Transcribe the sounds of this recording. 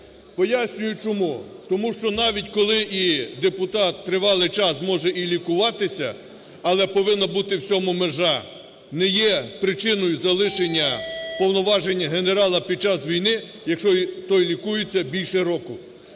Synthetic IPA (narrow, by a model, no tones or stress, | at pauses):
pɔjasʲnʲʊjʊt͡ʃɔmut̪ɔmuʃt͡ʃɔnɑʋʲitʲkɔlˠɪʔid̪epʊt̪ɑt̪ːɾɪʋɑlˠɪt͡ʃɑsmɔʒɛilʲikʊʋɑt̪ɪsʲɐ̰ | ɐlˠɛpɔʋɪnːɐbut̪ɪwt͡sʲɔmʊmeʒɑ | nɛjɛpɾɪt͡ʃɪnɔjʊzɐlˠɪʃenʲːɐpɔwnɔʋɑʒenʲːɐɦeneɾɑlˠɐpʲid̪̚t͡ʃɑsʋʲijnɪ | jɐkʃt͡ʃɔit̪ɔjlʲikujɪt͡sʲːɐbʲilʲʃɛɾɔkʊ